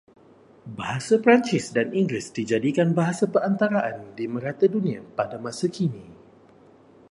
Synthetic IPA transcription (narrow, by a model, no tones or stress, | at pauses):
baɦasapɾant͡ʃɪsdaniŋɡɾɪsdid͡ʒadikanbaɦasabəɾant̪aɾaʔandimə̃ɾat̪adunĩa̰padamãsakini